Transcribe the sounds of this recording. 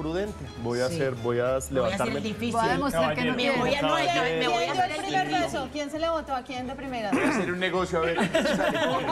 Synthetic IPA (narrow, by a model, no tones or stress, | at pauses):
pɾuðent̪ebojaseɾbojasleβãnt̪aɾmed̪ifiðemosɾaɾkenomoaoeojoelpɾimeɾɾβesokjenseleβant̪oakjend̪epɾimeɾaaseɾunːeɣosjoaβeɾ